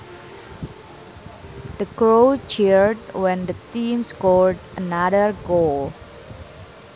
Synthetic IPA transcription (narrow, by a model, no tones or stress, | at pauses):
d̥əkɹot͡ʃiɹd̚wɛ̃ndət̪ĩmskɔldʔənadərɡol